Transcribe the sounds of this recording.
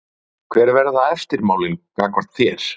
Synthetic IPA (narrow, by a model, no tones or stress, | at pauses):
kʰvɛːɾvɛɾðaɛst̪ɪɾmaːwlɪnkakʰvɔɾ̥t̪θjɛɾ̥